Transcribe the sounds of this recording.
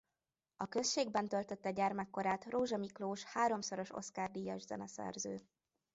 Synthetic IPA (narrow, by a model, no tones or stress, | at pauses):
ɒkø̞sʃeːɡ̚bɛnt̪ølt̪øt̪ːɛɟaːrmɛkːo̞ɾaːt̪roːʒɒmikloːʃhaːɾo̞msoɾo̞ʃo̰tskaːrd̪iːjɒʒzɛ̰nɛsɛ̰rzøː